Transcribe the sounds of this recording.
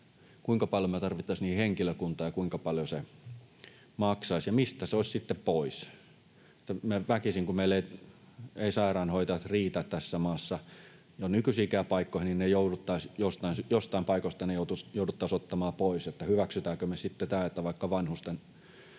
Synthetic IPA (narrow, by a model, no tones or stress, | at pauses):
kuiŋkɑpɑljomet̪ɑrʋit̪ːɑisniːhiheŋkiløkunt̪ˑɑːjɑkuiŋkɑpɑljose | mɑksɑisjɑmist̪æseoˑsʲsit̪ːeppois | et̪ːæmæʋækisiŋkumeˑilːei | eisɑirɑːnhoit̪ɑjɑt̪riːt̪æt̪t̪æsːæmɑːsːɑ | jonykysiːkæːpɑikːoihininnejoudut̪ːɑisjost̪ɑinsjost̪ɑimpɑikost̪ɑnejoˑut̪usjoˑudut̪ːɑˑisot̪ːɑmɑːpoiset̪ːæhyʋæksyt̪æːkømesit̪ːet̪æːet̪ːæʋɑikːɑʋɑnhust̪en